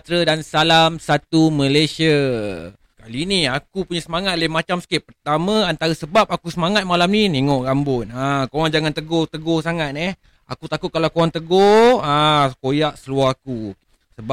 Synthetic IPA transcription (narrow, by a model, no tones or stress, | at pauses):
t̪ɾədansalamsat̪umə̃lesia | kaliniakupuɲasəmaŋat̪̚lemat͡ʃamsə̥kɪʔ̚pərt̪amãant̪aɾəsəbap̚akusəmaŋat̪̚malamnineŋoʔɡambʊnakoɾaŋd͡ʒaŋant̪əɡot̪əɡosaŋat̪̚nɛh | a̰kut̪akʊt̪̚kalawkowaŋt̪əɡoãkojaʔsəluahaku | səb